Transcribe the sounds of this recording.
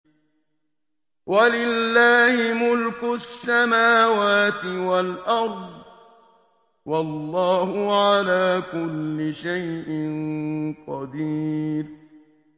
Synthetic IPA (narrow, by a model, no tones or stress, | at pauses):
wʔalɪlːaːhɪmʊlkʊsːamaːwaːt̪ɪwalʔɑɾˤd̪ˤ | wɑlˤːɑːhʊʕalaːkʊlːɪʃajʔɪnqɑd̪iːɾ